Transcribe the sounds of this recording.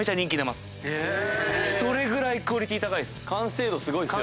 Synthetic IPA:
et͡ɕaɲʲĩŋkʲinamasɨ̥ | so̞ɾe̞ɡɯ̟ɾaikɯ̟oɾʲit̪ʲiːt̪akaid̪sɨ̥kãse̞ːd̪osɨɡo̞i

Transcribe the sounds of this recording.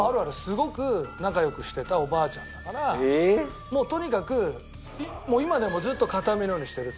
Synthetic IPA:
aɾɯ̟aɾɯ̟sɨɡo̞kɯ̟nakajo̞kɯ̟ɕi̥t̪e̞t̪ao̞baːt͡ɕã̰nd̪akaɾa | mo̞ːt̪o̞ɲ̟ikakɯ̟ | imo̞ːimad̪e̞mo̞d͡zzɨːt̪ːo̞kat̪amʲinojoːɲiɕi̥t̪eɾɯ̟

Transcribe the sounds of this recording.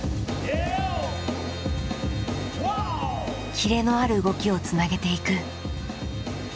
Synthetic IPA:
kʲiɾe̞no̞aɾɯ̟ːɡo̞kʲio̞t͡sɨnaɡe̞t̪e̞ikɯ̟

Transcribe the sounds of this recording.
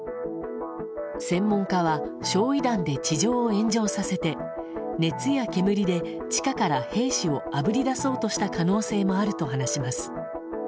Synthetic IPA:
sẽ̞mːõ̞ŋkaβ̞a | ɕo̞ːid̪ãnd̪e̞t͡ɕiʑo̞ːẽ̞ɲ̟d͡ʑo̞ːsase̞t̪e̞ | ne̞t͡sɨjakʲe̞mɯ̟ɾʲid̪e̞ | t͡ɕi̥kakaɾahe̞ːɕio̞abɯ̟ɾʲid̪aso̞ːt̪o̞ɕi̥t̪akano̞ːse̞ːmo̞aɾɯ̟t̪o̞ɦanaɕimasɨ̥

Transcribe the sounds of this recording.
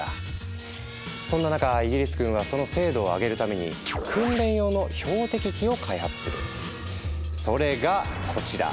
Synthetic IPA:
a | sõ̞nːanakaiɡʲiɾʲisɨ̥ɡɯ̟̃ɰ̃βaso̞no̞se̞ːd̪o̞ːaɡe̞ɾɯ̟t̪ame̞ɲ̟ḭkʰɯ̟̃nɾẽ̞ɰ̃jo̞ːno̞ço̞ːt̪e̞kʲikʲio̞kʰaihat͡sɨ̥sɨɾɯ̟̰ | so̞ɾe̞ɡakʰo̞t͡ɕiɾa̰

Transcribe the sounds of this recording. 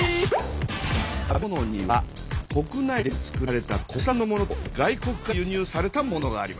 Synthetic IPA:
abono̞ɲ̟iβa | ko̞kɯ̟naid̪e̞t͡sɨ̥kɯ̟ɾɾe̞t̪ako̞sãnːo̞mo̞no̞t̪oɡaiko̞kɯ̟ɡajɯɲ̟ɨːsaɾe̞t̪amo̞no̞ɡaːɾʲima

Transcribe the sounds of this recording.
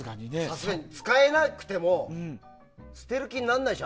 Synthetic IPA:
ɡaɲinesasɨɡaɲ̟it͡sɨ̥kaenakɯ̟̥t̪e̞mõ | sɨ̥t̪e̞ɾɯ̟kʲiɲnːãnːaiɕo

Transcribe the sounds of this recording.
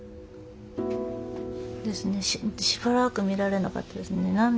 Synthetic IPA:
d̪e̞sɨne̞ɕiɕi̥baɾakɯ̟mʲiɾaɾe̞naka̰t̪ːad̪e̞sɨnne̞nãn

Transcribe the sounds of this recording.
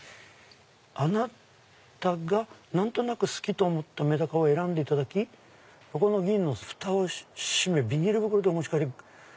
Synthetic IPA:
ana | t̪aɡanãnt̪o̞nakɯ̟sɨ̥kʲit̪o̞ːmo̞t̪ːame̞d̪akaoe̞ɾãnd̪e̞it̪ad̪akʲi | ko̞ko̞no̞ɡʲĩnːo̞ɸɯ̟̥t̪aoɕime̞bʲiɲ̟iɾɯ̟bɯ̟kɯ̟ɾo̞d̪e̞omoɕi̥kaɾʲi

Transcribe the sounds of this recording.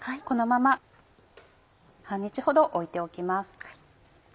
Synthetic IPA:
ko̞no̞mama | sãɲ̟ːit͡ɕiho̞d̪o̞ʔoit̪e̞o̞kʲimasɨ̥

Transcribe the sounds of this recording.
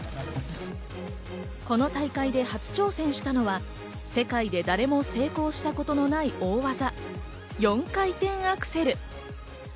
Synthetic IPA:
ko̞no̞t̪aikaid̪e̞hat͡sɨ̥t͡ɕo̞ːsẽ̞ɰ̃ɕi̥t̪ano̞βa | se̞kaid̪e̞d̪aɾe̞mo̞se̞ːko̞ːɕi̥t̪ako̞t̪o̞no̞naio̞ːβaza | jõ̞ŋkait̪ẽ̞ɰ̃akɯ̟̥se̞ɾɯ̟

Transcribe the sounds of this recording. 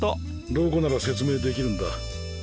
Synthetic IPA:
t̪o | d̪o̞ːko̞naɾase̞t͡sɨme̞ːd̪e̞kʲiɾɯ̟̃nd̪a

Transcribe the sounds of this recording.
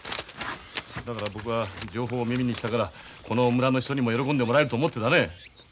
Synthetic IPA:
d̪akaɾabo̞kɯ̟βad͡ʑo̞ːɦo̞ːmʲimʲiɲiɕi̥t̪aɡaɾa | kʰo̞no̞mɯɾanoçi̥t̪oɲimo̞jo̞ɾo̞kond̪e̞mo̞ɾaeɾɯt̪oːmot̪ːe̞d̪ane̞

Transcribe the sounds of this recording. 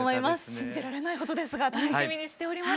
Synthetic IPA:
moimasɨ̥ɕĩɲ̟d͡ʑiɾaɾe̞naiko̞t̪o̞d̪e̞sɨɡat̪anoɕimʲiɲ̟iɕi̥t̪e̞oɾʲima

